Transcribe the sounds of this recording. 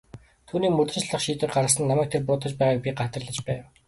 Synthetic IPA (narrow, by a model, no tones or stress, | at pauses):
t̪ʰuːniːkmɵt̪ɘ̆nt͡ɕɮə̆χʃiːt̪ə̆k̚ɢaɾə̆sə̆nːamæːk̚t̪ʰerpʊːt̪ə̆t͡ɕpæːʁaːk̚pʲiɢat̪ə̆rɮə̆t͡ɕpæːw